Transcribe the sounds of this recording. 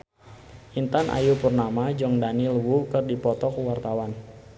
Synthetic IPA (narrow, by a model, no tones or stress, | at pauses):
ʔint̪anʔa̰jupərnamad͡ʒɔŋdanilwukɨrdipɔt̪ɔkuwart̪awan